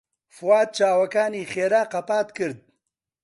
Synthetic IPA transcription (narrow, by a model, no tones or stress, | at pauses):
fwɑːd̪̚t͡ʃɑːwɐkaːnixeːɾaːqapɑːt̪kɨɾd̪̚